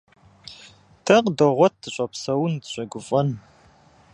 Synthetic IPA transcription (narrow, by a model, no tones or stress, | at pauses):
tʰɐqdɐʁʷɔt̚dɨɕʷʼɐpsɐwndɨɕʷʼɐɡʷʊfʼɐn